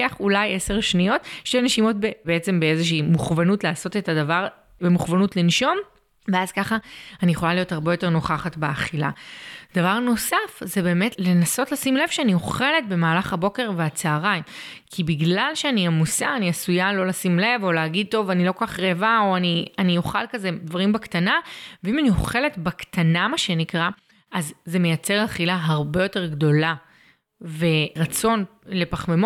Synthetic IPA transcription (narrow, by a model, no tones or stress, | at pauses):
aχulaje̞se̞ʁʃnijo̞tʃtejneʃimo̞t̚bebeet͡se̞mbeezeʃ̬iːmuχvanutlaːso̞te̞tadavaʁ | bemuχvanutlinʃo̞m | ve̞azkaχanijeχo̞lalijo̞thaʁbe̞jo̞te̞ʁno̞χaχatbeaχila̰d̥avaʁno̞safze̞be̞ːmetle̞naso̞tlasimle̞v̥ʃeanioχe̞le̞t̚be̞maːlaχhabo̞ke̞ʁveat͡saːʁajmkʰibiɡlalʃeaniamusa̰ːniasujalo̞lasimle̞vo̞leaɡid̚t̪o̞vanilo̞kokaχʁevao̞anianioχalkaze̞dvaʁimbaktanaveimanioχe̞le̞tbakt̪ʰanamaʃenikʁa | ʔazːe̞me̞jat͡se̞ʁaχilaɦaʁbe̞jo̞te̞ʁɡdo̞la | ve̞ʁat͡so̞n | le̞paχmemo